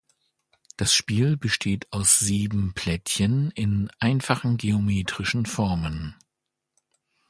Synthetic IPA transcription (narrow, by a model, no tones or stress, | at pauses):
d̥asʃpiːlbəʃtʰeːtʰaʊsz̥iːbm̩pʰl̥ɛtçənɪnʔaɪnfaχn̩ɡeomeːtʁ̥ɪʃn̩fɔɐmən